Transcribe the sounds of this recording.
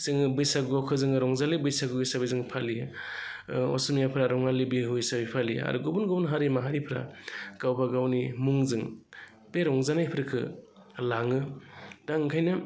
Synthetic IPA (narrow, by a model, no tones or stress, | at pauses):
zɯŋɯbɯjsaɡuakʰɯzɯŋɯɾɔŋzalibɯjsaɡɯɯjsabizɯŋpʰali | ɔ̰sumijapʰɾaɾɔŋalibiɦujsabipʰalia̰ɾuɡɔbunɡɔbunɦaɾimaɦaɾipʰɾa̰ɡ̥awbaɡawnimuŋzɯŋ | b̥eɾɔŋzanajpʰɾɯkʰɯ | laŋɯdaŋkʰajnɯ